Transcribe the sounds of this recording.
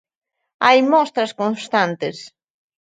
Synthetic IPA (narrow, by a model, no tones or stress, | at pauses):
ajmɔst̪ɾaskõnst̪ant̪ɪs